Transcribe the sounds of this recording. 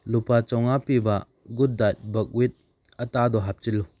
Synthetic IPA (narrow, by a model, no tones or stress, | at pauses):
lupat͡ʃɔŋapiba | ɡud̚dat̚bək̚wit̪̚ | ətad̪ɔɦap̚t͡ʃilːu